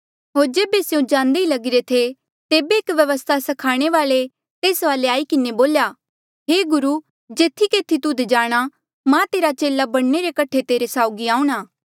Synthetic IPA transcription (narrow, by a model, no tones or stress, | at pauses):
ɦoːɾd͡ʒeːbesjõd͡ʒãːnd̪eilɐɡɪɾet̪ʰe | t̪eːbeɪkʋjɐʋəst̪ʰasɐkʰaːɽ̃eʋaːle | t̪eːsʋaːleaːikɪneboːljaː | ɦeːɡʊɾuː | d͡ʒeːt̪ʰikeːt̪ʰit̪ʊd̪ʱd͡ʒaːɽ̃a | mãt̪eːɾat͡ʃeːlabɐɽneɾekɐʈʰet̪eːɾesaːʊɡiaːũɽ̃aː